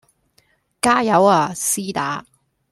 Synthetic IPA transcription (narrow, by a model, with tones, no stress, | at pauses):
kaː˥jɐ˨˥waː˨˧˩siː˥t̪a̰ː˨˥